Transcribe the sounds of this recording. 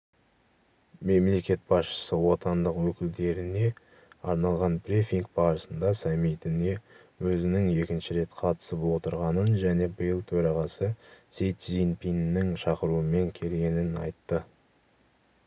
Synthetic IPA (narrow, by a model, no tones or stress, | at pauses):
me̞mle̞kʲe̞t̪̚bɑsʃə̥səwo̞t̪ɑnd̪əqwɵkʲɪld̪e̞ɾɪne̞ | ɑɾnɑlˠʁɑnpɾʲefʲiŋk̚bɑɾəsənd̪ɑsamit̪ɪne̞ | wɵzɪnɪŋe̞kʲɪnʃɪɾe̞t̪qʰɑt̪ə̥səpwo̞t̪əɾʁɑnənʒæne̞bəjəlˠt̪ʰɵɾɑʁɑsəsejt̪zinpinːɪŋʃɑqəɾuəme̞ŋkʲʰe̞lɡʲe̞nɪnɑ̰jt̪ːə